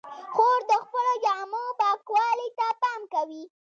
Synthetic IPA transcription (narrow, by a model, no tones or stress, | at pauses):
xoɾd̪əxpəlod͡ʒamobɑkwɑlit̪apɑmkawi